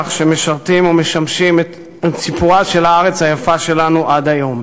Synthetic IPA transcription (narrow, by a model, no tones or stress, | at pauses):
χʃeme̞ʃaʁt̪imome̞ʃamʃimet | tt͡sipuʁaʃe̞laaʁet͡shajafaʃe̞lanuʔadajo̞m